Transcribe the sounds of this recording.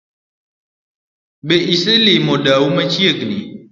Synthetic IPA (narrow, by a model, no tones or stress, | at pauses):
beʔisəlimodawumet͡ʃiəɡnḭ